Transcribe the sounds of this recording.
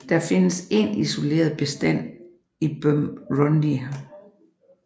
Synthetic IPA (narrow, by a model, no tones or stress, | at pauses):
d̥ɑfe̝nəse̝niso̝le̝̰ːɐð̞̩ˠb̥e̝sd̥æn̰ | ib̥ømʁɔndiæ